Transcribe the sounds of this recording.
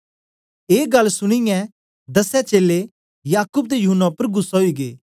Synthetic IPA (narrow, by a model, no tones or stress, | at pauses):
eːɡɐlsʊɽ̃ɪjɛ̃ | d̪ɐsɛt͡ʃeːle | jaːkuːb̚t̪ejʊɦʊnːapəɾɡʊsːɦoiɡḛː